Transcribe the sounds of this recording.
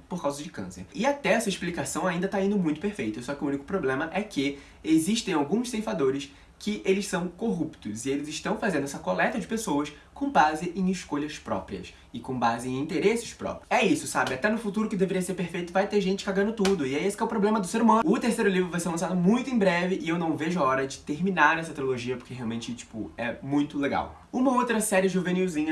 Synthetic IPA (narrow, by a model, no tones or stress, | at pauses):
poɾkawzɐd͡ʒɪkɐ̰̃sḛɾɪat̪ɛɛsɐeʃplikasɐ̃w̃aĩnd̪ɐt̪aĩnd̪ʊmũj̃t̪ʊpeɾfejt̪ʊsɔkɪʊũnikʊ̥pɾoblẽmɐʔɛkɪ | eziʃt̪ẽj̃awɡũssẽjfad̪oɾɪs | kʰɪʔelɪssɐ̃w̃koɦupt̪ʊzɪelɪzɪʃt̪ɐ̃w̃fazẽnd̪ʊɛsɐkolɛt̪ɐd͡ʒɪpesowɐs | kõw̃bazɪʔẽj̃ɪʃkoʎɐspɾɔ̰pɾiɐ̰s | ɪkõbazɪẽj̃ĩt̪eɾesɪ̥spɾɔ̰pɾjʊɛisʊsabɪat̪ɛnʊfut̪uɾʊkɪd̪eveɾiɐseɾpeɾfejt̪ʊvajt̪eʒẽnt͡ʃɪ̥kaɡɐ̃nd̪ʊt̪ud̪ʊɪɛesɪ̥kɛʊpɾoblẽmɐd̪ʊseɾumɐ̃ʊt̪eɾsejɾʊlivɾʊvajseɾlɐ̃sad̪ʊmũj̃t̪ʊẽj̃bɾɛvɪʔɪewnɐ̃w̃veʒʊaɔɾɐd͡ʒɪt̪eɾminaɾɛsɐt̪ɾioloʒiɐpʊ̥keɦeawmẽnt͡ʃɪt͡ʃi̥pʊɛmũj̃t̪ʊleɡa̰w | ũmɐowt̪ɾɐsɛɾɪʒuvẽniwzĩɲɐ